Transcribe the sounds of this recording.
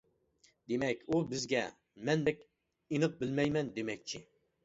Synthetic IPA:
d̪emɛkʲubɪzɡʲɛ̰ | mɛnbɛkʲ | inəq̚bɪlmɛjmɛnd̪emɛk̚ʲt͡ʃʰi

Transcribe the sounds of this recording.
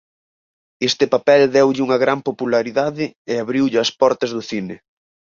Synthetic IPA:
est̪ɪpapɛld̪ɛwʎɪuŋɐɣɾampopulaɾiðaðɪɪaβɾiwʎɪɐspɔɾt̪ɐzðʊθinɪ

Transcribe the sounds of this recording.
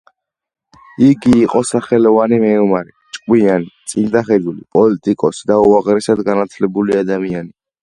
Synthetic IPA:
iɡiːqʼɔsaχɛlɔvanimɛɔmaɾi | t͡ʃʼkʼwianit̪sʼind̪aχɛd̪ulḭpʼɔlit̪ʼikʼɔsid̪auaʁɾɛsad̪ɡanat̪ʰlɛbuliad̪amiani

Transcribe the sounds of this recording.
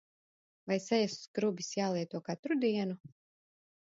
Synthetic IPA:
vajsɛjasu̥skɾubʲisjaːlˠiɛt̪uɔkat̪ɾud̪iɛnu

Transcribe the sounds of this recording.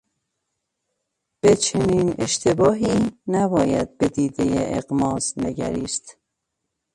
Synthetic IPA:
b̥e̞t͡ʃʰeniːne̞̰ʃt̪ʰe̞bɒːɦiːnæbɒːjæ̰d̪̚be̞d̪iːd̪e̞jeʔḛɣmɒːzne̞ɡæ̰ɾiːst̪

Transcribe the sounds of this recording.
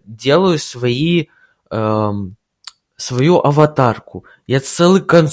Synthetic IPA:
dʲe̞lˠəjʊsvɐi | svɐjuʔɐvɐt̪arkʊ | jat̪sɛlˠɨkɐnt̪

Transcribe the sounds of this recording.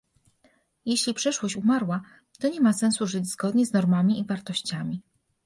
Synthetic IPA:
jeɕlʲipʂɛʂwɔɕt͡ɕumaɾwa | t̪ɔɲɛmasɛnsuʐɘd͡ʑz̥ɡɔd̪ɲɛznɔɾmamʲiivaɾt̪ɔɕt͡ɕamʲi

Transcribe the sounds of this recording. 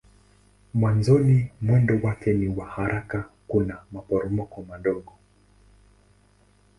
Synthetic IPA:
mwanzɔnimwɛndɔwakɛniwahaɾakakunamapɔɾɔmɔkɔmaɗɔɠɔ

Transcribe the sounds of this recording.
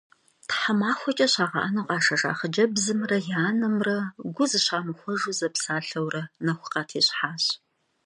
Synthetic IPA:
tħamaːxʷɔt͡ʃʼɐɕaːʁɐ̰ʔɐnɨqʼɑːʂɐʂa̰ːχəd͡ʒɐbzɨmrɐjaːnɐmrɐɡʷʊzɨɕaːmɨxʷɔʒuzɐpsaːɬɐwrɐnɐxʷʊ̥qɑːtʰiːɕħaːɕ

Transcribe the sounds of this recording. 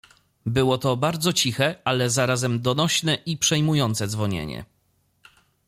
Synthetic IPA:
bɘwɔt̪ɔbaɾd̪zɔt͡ɕixɛalɛzaɾazɛmd̪ɔnɔɕnɛʔipʂɛjmujɔnt̪sɛd̪zvɔɲḛɲɛ̰

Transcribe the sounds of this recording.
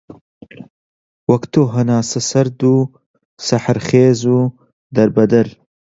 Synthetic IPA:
wɐkt̪oːɦɐnaːsɐsɐɾd̪u | sɐħɾχeːzuː | d̪ɐɾbɐd̪ɐɾ

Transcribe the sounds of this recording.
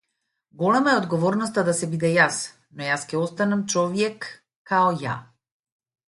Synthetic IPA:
ɡɔlɛmaɛɔd̪ɡɔvɔɾnɔst̪ad̪asɛbid̪ɛjas | nɔjaskɛɔst̪anamt͡ʃɔvjɛkː | aɔja̰

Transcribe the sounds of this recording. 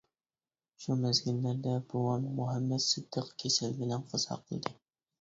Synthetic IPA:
ʃumæzɡɘ̆nːæɾd̪æbulɑnmɵɦæmːæt̪sɤ̆d̪̥ːɤqkʰisɘlbɘ̆læɴqɤ̆zhɑ̰qḭ̆ld̪ɘ

